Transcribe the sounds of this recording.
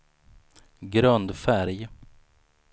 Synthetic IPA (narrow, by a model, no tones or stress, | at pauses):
ɡɾœnd̪fæɾj